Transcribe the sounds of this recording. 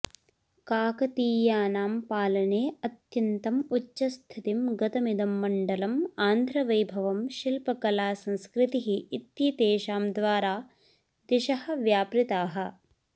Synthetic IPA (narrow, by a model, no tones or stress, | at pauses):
kaːkɐt̪iːjaːnaːmpaːlɐneːɐt̪jɐnt̪ɐmut͡ʃːʃɐst̪ʰit̪imɡɐt̪ɐmid̪ɐmːɐɳɖɐlɐmaːnd̪ʱɾɐʋɐjbʱɐʋɐmʃilpɐkɐlaːsɐ̃nskɾɪt̪iɦiːt̪jiːt̪eːʃaːmd̪ʋaːɾaː | d̪iʃɐhɐ̆ʋjaːpɾɪt̪aːɦɐ̆